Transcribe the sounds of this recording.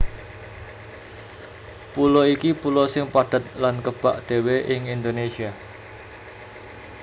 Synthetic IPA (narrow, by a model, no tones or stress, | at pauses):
pulɔikipulɔsɪŋpaɖ̥ə̤t̪̚lankəb̥aʔd̪̥e̤weʔɪŋind̪onesia